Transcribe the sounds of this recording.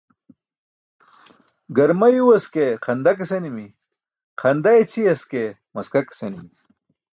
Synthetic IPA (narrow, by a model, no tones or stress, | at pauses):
ɡɐɾmajuwɐskeqʰɐnd̪ɐk̬esenimi | qʰɐnd̪ajet͡sʰiɐske | mɐskaksenimi